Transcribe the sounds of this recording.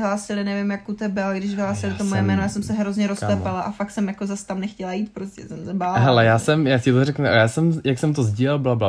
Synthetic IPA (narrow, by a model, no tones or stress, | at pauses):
ɦlaːsɪlɪnɛvɪmjakut̪ɛbɛolɡdɪʃvɪɦlaːsɪlɪt̪omojɛmɛːnojaːsɛmsɛɦɾo̞zɲɛɾosɛpalaʔafakt̪sɛmjakozast̪amnɛxcɛlajiːt̪pɾoscɛsɛmsɛbaːɦɛlɛjaːsɛmjaːcɪt̪oɾɛknuʔajaːsɛmjaksɛmt̪ozɟiːlɛlblabla